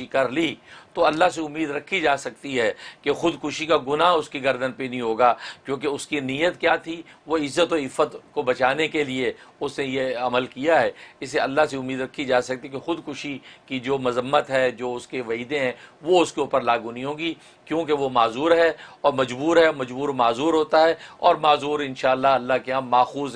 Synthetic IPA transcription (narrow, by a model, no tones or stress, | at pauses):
ikɐɾliːt̪oɐlːaɦseʊmːiːd̪ɾɐkʰːid͡ʒaːsɐk̚t̪iɦɛːkexʊd̪kʊʃikaɡʊnaʊskiɡɐɾd̪ənpenɐɦĩɦoːɡaːkjõːk̬eʊskiniːjət̪kjaːt̪ʰiʋoɪzːət̪ɔːɾɪfːət̪kobɐt͡ʃaːnekelieʊsnejeɐməlkijaɦɛːɪseɐlːaɦseʊmːiːd̪ɾɐkʰːid͡ʒaːsɐk̚t̪ikexʊd̪kʊʃikid͡ʒoːmɐzəmːət̪ɦɛːd͡ʒoːʊskeʋɐiːd̪ẽɦɛ̃ʋoʊskeuːpəɾlaːɡunĩɦõːɡi | kjõːkeʋomaːzuːɾɦɛːɔːɾmɐd͡ʒbuːɾɦɛmɐd͡ʒbuːɾmaːzuːɾɦoːt̪aɦɛɔ̰ːɾmaːzuːɾɪ̃nʃaːəlːaɐlːakeãːmaːxuːz